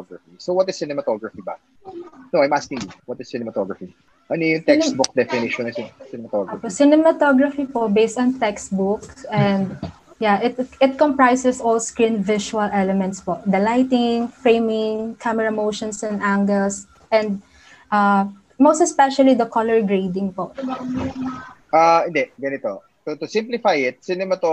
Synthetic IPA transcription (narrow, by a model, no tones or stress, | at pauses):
ɡɹɐfisowɐt̪ɪsːɪnɛmɐt̪ɔɡɹɐfiba̰ | noajmaskɪ̃ŋjuwɐt̪ɪsːɪnɛmɐt̪ɔɡɹɐfi | ʔɐnɛjʊŋt̪ɛkst̪̚bʊk̚d̪ɛfɪnɪʃɔ̃nssɪnɛmɐt̪ɔɡoposɪnɛmɐt̪oɡɹɐfipobejst̪ɔ̃nt̪ɛkst̪̚bʊkɛ̃nd̪̚ | jaʔɪt̪ɪt̪̚kɔ̃mpɹajsɛsɔlskɹĩnvɪʃuɐlʔɛlɛmɛ̃nt̪spɔd̪ɐlajt̪ɪŋfɹẽɪmɪ̃ŋkʰamɛɹɐmowʃɔ̃nsɛ̃nʔãŋɡɛls | ʔɛ̃nd̪̚ | ʔa | most̪ɛspɛʃɐlid̪ɐkɔlɛɹɡɹeɪd̪ɪ̃ŋpoʔ | ʔaɪ̃nd̪ɛʔɡɐnɪt̪o | t̪ʊt̪ʊsɪ̃mplɪfajɪt̪̚sɪnɛmɐt̪o